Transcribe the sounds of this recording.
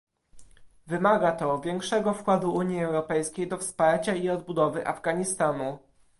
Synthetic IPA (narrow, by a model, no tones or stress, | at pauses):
vɘmaɡat̪ɔvʲjɛŋkʂɛɡɔfkwad̪uuɲjiɛwɾɔpɛjskʲejd̪ɔfspaɾt͡ɕaiɔd̪bud̪ɔvɘʔa̰vɡaɲist̪anu